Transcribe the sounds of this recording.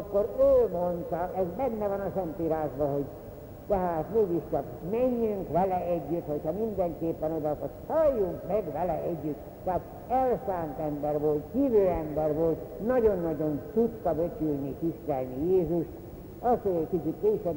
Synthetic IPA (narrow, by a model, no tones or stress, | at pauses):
kːoɾøːmont̪ɒɛzbɛnːɛvɒnɒsɛnt̪iːɾaːʒbɒho̞ɟ | t̪ɛɦaːt̪meːɡiʃt͡ʃɒkmɛɲːyŋkʋɛlɛɛɟːyt̪ho̞chɒmind̪ɛŋkeːpːɛnod̪ɒkotsɒjːuŋkmɛɡʋɛlɛɛɟːyt̪ | tːɛaːt̪ | ɛlsaːnt̪ɛmbɛrʋo̞lt̪hiːvøːɛmbɛrʋolt̪nɒɟo̞nːɒɟo̞nt̪ut̪ːɒbøt͡ʃylnit̪ist̪ɛlnijeːzuʃt̪ | ɒst̪hoɟɛckit͡ʃit̪keːʃɛb